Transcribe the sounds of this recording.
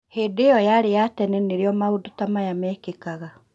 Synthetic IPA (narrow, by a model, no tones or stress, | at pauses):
hedejɔjaɾejatɛnɛneɾeɔmaodotamajamɛːkekaɣa